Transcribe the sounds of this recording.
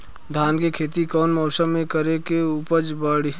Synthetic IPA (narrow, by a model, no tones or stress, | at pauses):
d̪ʱaːnkekʰeːt̪ikɔːnmɔːsəmːẽkəɾekeupəd͡ʒbəɽi